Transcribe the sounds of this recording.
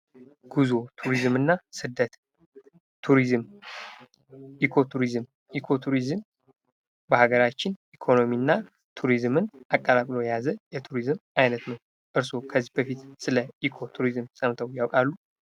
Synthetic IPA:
ɡ̥uzo̞t̪ʰuɾizɨmɨnːasɨd̪ət̪ʰː | uɾizm | ʔikʰo̞t̪ʰuɾizɨm | ʔikʰo̞t̪ʰuɾizɨm | bəhaɡəɾat͡ʃːɪnʔikʰo̞no̞miɨnːa | t̪ʰuɾizmɨnʔakʼːalakʼlo̞jɛjazəjɛt̪ʰuɾizɨmʔajnət̪nəw | ʔɨɾso̞kʰəzːihbəfit̪sɨləʔikʰo̞t̪ʰuɾizɨmsʼəmt̪ʰəwjawkʼalːu

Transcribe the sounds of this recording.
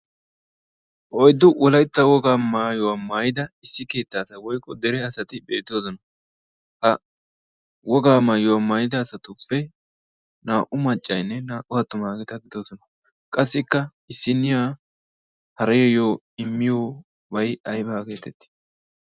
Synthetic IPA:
ʔɔjd̪ːʊʔɔlɐjt̪ːɐwɔɡaːmaːjɔwamaːjɪd̪ɐɪsːɪke̞ːt̪ːaːsɐwɔjkʼːɔd̪ɛɾɛɐsɐt̪ɪbe̞ːt̪ːɪoːsɔnɐ | hɐ | wɔɡaːmaːjʊwamaːjɪd̪aːsɐt̪ʊfːɛ | naːʔʊmɐt͡ʃʼːɐjnːɛnaːʔʊhɐt̪ːʊmaːɡɛt̪ɐɡɪd̪oːsɔnɐ | kʼɐsːɪkːɐ | ɪsːɪnːɪjaː | hɐɾɐjɔjoː | ɪmːɪjoː | bɐjɐjbaːke̞ːt̪ɛt̪ːɪ̥

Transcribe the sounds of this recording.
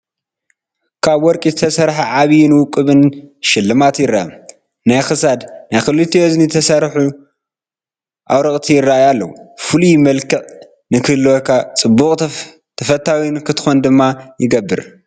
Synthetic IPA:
kʰaβwɔɾkʼizɨt̪ʰɐsɐɾħaʕaβijnwʊkʼːɨβɨnʃɪlːɨmat̪jɪrːaa | najxɨsad̪najxɨlːɨt̪ːioznit̪ʰɐsɐɾħu | ʔawɾɐkʼt̪ʰijɪrːaajalːɐwufɨlujmɐlkʰɨʕ | nɨkʰɨlokat͡sʼɨbːukʼ | t̪ʰɐfɐt̪ʰːawinkʰɨt̪ʰɨ̥xond̪ɨmːajɪɡɐbːɨɾ

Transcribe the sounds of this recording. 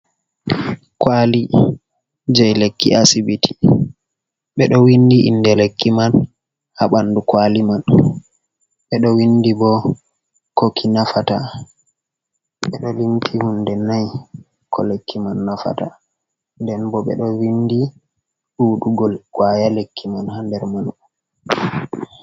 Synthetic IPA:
kwali | d͡ʒɛjlekːḭʔasibitʰi̥ | ɓɛɗɔwindiʔḭndɛlekːiman | haɓandukwaliman | ɓɛɗɔwindibɔ | kokʰinafata | ɓɓɛɗɔlimtʰihundɛnaj | kʰɔlekʰːimanːafa̰ta | ndɛnbɔɓɛ̰ɗɔwindi | ɗuɗuɡɔlkwajalekʰːimanhandɛɾman

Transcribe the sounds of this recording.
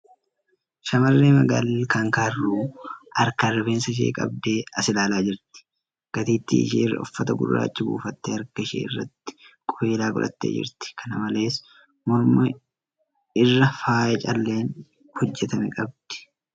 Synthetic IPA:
ʃɐmɐrːeːmɐɡa̰ːllkaːŋkaːrːuːɐɾkɐrɛbe̞ːnsɐɪʃ̬ḛːkʼɐ̰b̚d̪e̞ːɐsɪlaːlaːd͡ʒɪɾt̪ɪ̥ | ɡ̥ɐt̪iːt̪ːḭːɪ̰ʃḭːɪrːɐ̰ʊfːɐt̪ɐɡʊ̰rːa̰ːt͡ʃːɪbṵːfɐt̪ːeːɐɾkɐɪʃḛːɪrːɐ̰t̪ːɪ̥kʼɔe̞ːlaːkʼʊ̰lʔɐ̰t̪ːḛːd͡ʒɪ̰ɾt̪ɪ̥kʰɐnɐmɐle̞ːs | mɔɾmɐ | ɪrːɐfaːʔɛt͡ʃʼɐlːe̞ːn | hɔd͡ʒːɛt̪ɐmɛkʼɐbd̪̥ɪ̥

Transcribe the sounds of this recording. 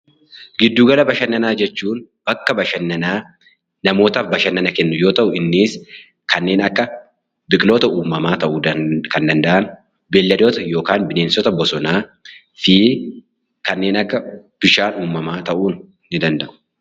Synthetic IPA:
ɡɪd̪ːuːɡɐlɐbɐʃɐnːɐnaːd͡ʒɛt͡ʃːuːn | b̥ɐkːɐbɐʃɐnːɐnaː | nɐmo̞ːt̪ɐːfbɐʃɐnːɐnɐkɛnːʊjo̞ːt̪ɐʔʊɪnːiːs | kɐnːe̞ːnɐkːɐ | bɪkʼlo̞ːt̪ɐuːmːɐmaːt̪ɐʔud̪ɐkɐnd̪ɐnd̪ɐʔɐn | belːɐd̪oːt̪ɐjo̞ːkaːnbɪneːnsɔt̪ɐbɔsɔnaː | fiː | kɐnːe̞ːnɐkːɐb̥ɪʃaːnuːmːɐmaːt̪ɐʔuːnː | ɪd̪ɐnd̪ɐʔʊ̥

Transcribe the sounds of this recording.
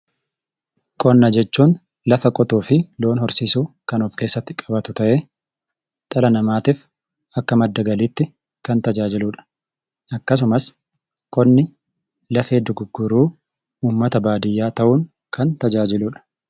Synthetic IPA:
kʼɔnːɐd͡ʒɛt͡ʃːuːn | lɐfɐkʼɔt̪uːfɪlo̞ːnhɔɾsiːsuːkɐnɔːfke̞ːsːɐt̪ːɪ̥kʼɐbɐt̪ʊt̪ɐʔeː | t̪ʼɐlɐnɐmaːt̪ɪf | ɐkːɐmɐd̪ːɐɡɐliːt̪ːɪ | kɐnt̪ɐd͡ʒaːd͡ʒɪlʊːᶑɐ̥ | ʔɐkːɐs̬ʊmɐs | kʼɔnːɪ | lɐfe̞ːd̪ʊɡʊɡːʊɾuː | uːmːɐt̪ɐbaːd̪ɪjːaːt̪ɐʔuːŋ | kʰɐnt̪ɐd͡ʒaːd͡ʒɪlʊːᶑɐ̥

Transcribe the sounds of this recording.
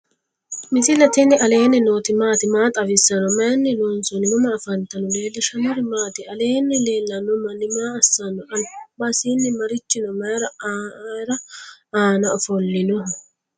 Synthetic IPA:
mɪt̪ɪlɐt̪ɪnːɪʔɐle̞ːnːɛnoːt̪ɪmaːt̪ɪmaːt̪ʼɐwɪsːɐnɔmɐjnːɪlɔːnsɔnɪnʊmɐːfɐnt̪ɐnɔle̞ːlːɪʃɐmɔɾɪmaːt̪ɪɐle̞ːnːɛle̞ːlːɐnʊmɐnɪmaːɐsːɐnːɔʔɐlbasinːɪmɐɾɪt͡ʃːɪnɔmɐɾɐ | ɾɐaːnɐɔfɔlːɪnɔ

